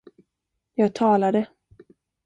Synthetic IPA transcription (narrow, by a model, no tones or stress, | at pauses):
jɑːɡ̚t̪ʰɑːlad̪ə